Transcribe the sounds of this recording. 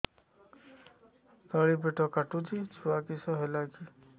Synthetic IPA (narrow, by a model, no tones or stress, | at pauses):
t̪ɔɭipeʈɔkaʈut͡ʃit͡ʃʰuwakisɔɦelaki